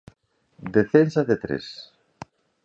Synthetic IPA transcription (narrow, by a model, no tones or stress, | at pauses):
d̪eθensaðet̪ɾḛs